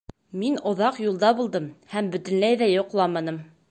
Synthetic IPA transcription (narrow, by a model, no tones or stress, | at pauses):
minŏðɑqjulˠd̪ɑbulˠd̪ɤmhæmbɵ̆t̪ɘ̆nlæjðæjŏqlˠɑmɑnɤm